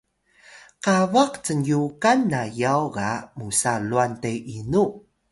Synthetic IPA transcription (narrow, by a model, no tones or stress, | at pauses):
qavaqt͡sənjukanːajawɡa̰musaluantejʔinu